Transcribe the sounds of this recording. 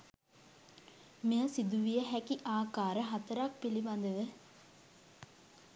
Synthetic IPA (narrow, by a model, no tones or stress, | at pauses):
miəsid̪uʋijəɦækiʔaːkaːɾəɦat̪əɾak̚piliband̪əʋə